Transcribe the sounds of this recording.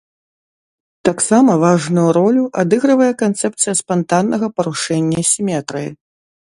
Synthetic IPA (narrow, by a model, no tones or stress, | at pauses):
t̪aksamɐvaʐnujuɾɔlʲuʔad̪ɨɣɾɨvɐjɛkant̪sɛp̚t̪sɨjɐspant̪anːɐɣɐpɐɾuʂɛnʲːɐsʲimʲɛt̪ɾɨjḭ